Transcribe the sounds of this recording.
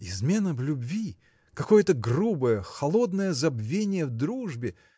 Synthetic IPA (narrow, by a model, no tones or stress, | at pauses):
ɪzmʲe̞nəvlʲʊbvʲi | kɐko̞jət̪əɡrubəjəxɐlˠo̞d̪nəjəzɐbvʲenʲɪjəvd̪ɾuʐbʲɪ